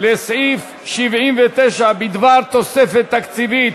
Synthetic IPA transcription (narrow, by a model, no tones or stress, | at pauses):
lesʕif | ʃivʕimvet̪eʃabid̪vaʁt̪osefet̪ːakt͡sivit̪